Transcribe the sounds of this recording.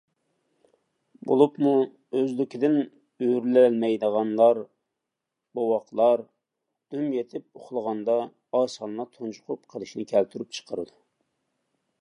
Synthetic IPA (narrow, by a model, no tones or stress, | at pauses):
bo̰lˠupmu | øzlɪkʲid̪ɪn | øɾlɛlmɛjd̪əʁɑnlˠɑɾ | bowɑqlˠɑɾ | d̪̥ymjet̪ʰɪp̚oχlˠəʁɑnd̪ɑ | ɑːsɑnlˠɑt̪ʰont͡ʃʰʊ̥qʰʊpqʰəlˠɨʃnɪkʲʰælt̪ʰyɾyp̚t͡ʃʰə̥qʰəɾɨd̪u